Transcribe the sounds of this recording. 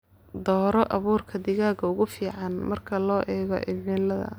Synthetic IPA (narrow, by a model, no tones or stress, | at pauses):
d̪ɔːɾɔʔɐβuːrkʰɐd̪ɪɣaːɡɐʊɣʊfiːʕɑnmɐrkʰɐlɔːʔɛːɣɔ̰ʔɪmɛːlɐðɐ̰